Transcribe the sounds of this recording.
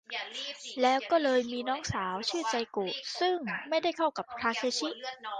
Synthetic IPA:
lɛː˦˥wkɔː˥˩lɤː˧jmiː˧nɔː˦˥ŋsaː˩˦wt͡ɕʰɯː˥˩t͡ɕa˧jkoː˨˩sɯ˥˩ŋma˥˩jda˥˩jkʰa˥˩wka˨˩p̚kʰɾaː˧kʰeː˧˥t͡ɕʰi˦˥ʔ

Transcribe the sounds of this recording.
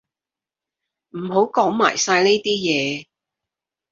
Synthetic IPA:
m̩˨˩ho˨˥wkɔː˨˥ŋma̰ː˨˩jsaː˧jne˥jt̪iː˥jɛː˨˧˦

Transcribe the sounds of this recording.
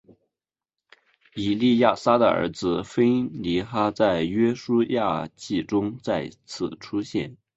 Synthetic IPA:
i˨˩li˥˧ja˥˩sa˥d̪ə̰˨ə̰˧˥d͡zɹ̩˧fe˥ɪli˧˥xa˥t͡sa˥˩ɪɥɛ˥ʂu˥ja˥˧t͡ɕi˥˩ʈ͡ʂʊ˥ŋt͡sa˥˩ɪt͡sʰɹ̩˨˩ʈ͡ʂʰu˥ɕjɛ̰˥˩n

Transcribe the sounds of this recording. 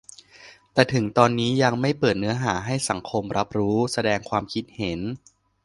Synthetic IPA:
t̪ɛː˨˩t̪ʰɯ˩˦ŋt̪ɔː˧nːiː˦˥ja˧ŋma˥˩jpɤː˨˩t̪̚nɯ˦˥ɐɦaː˩˦ɦa˥˩jsa˩˦ŋkʰo˧mɾʔa˦˥p̚ɾuː˦˥sa˧dɛː˧ŋkʰwaː˧mkʰi˦˥t̪̚he˨˩˦n

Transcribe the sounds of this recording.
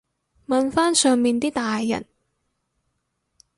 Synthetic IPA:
mɐ˧nfaː˥nsœː˧ŋmiː˨˧nt̪iː˥t̪aː˨jːɐ̰˨˩n

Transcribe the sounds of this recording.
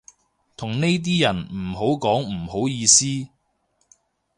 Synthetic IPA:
t̪ʰʊ˨˩ŋne˥jt̪̬iː˥jɐ˨˩nm̩˨˩ɦo˨˥wkɔː˨˥ŋm̩˨˩ho˨˥wjiː˧siː˥

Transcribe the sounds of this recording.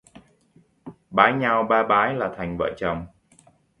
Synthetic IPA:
ɓaː˨˦jɲa˧wɓaː˧ɓaː˨˦jlaː˨˩t̪ʰa˨˩jŋ̟və̰ː˧˨t͡ɕə˨˩wŋ͡m

